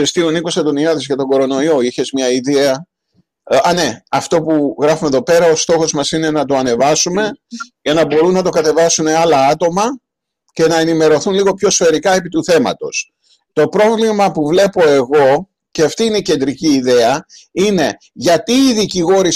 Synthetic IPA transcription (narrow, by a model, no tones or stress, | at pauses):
ɾist̪ioniko̞sɐo̞niɐðezʝɐt̪o̞ɡo̞ɾo̞no̞io̞içe̞zmɲɐiðeɐ | ɐne̞ɐft̪o̞puɣɾɐfumeðo̞pe̞ɾɐo̞st̪o̞xo̞zmɐsine̞nɐt̪o̞ɐne̞vɐsume̞ʝɐnɐbo̞ɾunːɐt̪o̞kɐt̪e̞vɐsune̞ɐlɐɐt̪o̞mɐ | ce̞nɐenime̞ɾo̞θunliɣo̞pço̞sfe̞ɾikɐe̞pit̪uθe̞mɐ̰t̪o̞s | t̪o̞pɾo̞vlimɐpuvle̞po̞e̞ɣo̞ | ce̞ɐft̪iine̞ice̞nd̪ɾiciːðe̞ɐine̞ | ʝɐt̪iːðiciɣo̞ɾi